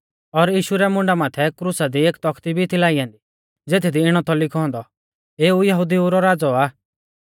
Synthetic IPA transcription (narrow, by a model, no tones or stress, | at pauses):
ɔɾjiːʃuɾɛmʊ̃ɳɖamaːt̪ʰɛkɾusad̪ieːkt̪ɔkʰt̪ibʱit̪ʰilaːiãːnd̪i | d͡zeːt̪ʰid̪iɪɽ̃ɔt̪ʰɔlɪkʰɔɦɔ̃nd̪ɔ | eːujɐɦʊd̪iuɾɔɾaːd͡zɔaː